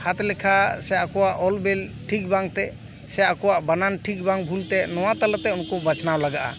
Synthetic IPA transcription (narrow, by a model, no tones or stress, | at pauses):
hat̪lɛkʰasɛakɔwaʔɔlbɛlʈʰik̚baŋt̪ɛ | sɛakɔwaʔbananʈʰik̚baŋbʱult̪ɛnɔwat̪alat̪ɛunkɔbət͡ʃnawlaɡaʔa̰